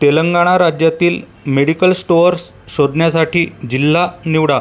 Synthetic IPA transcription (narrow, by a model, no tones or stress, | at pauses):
t̪eləŋɡaɽ̃aɾad͡ʑjat̪iːl | meɽikəlsʈoəɾsɕod̪ʱɳjasaʈʰiːd͡ʑil̤ːaniʋɽa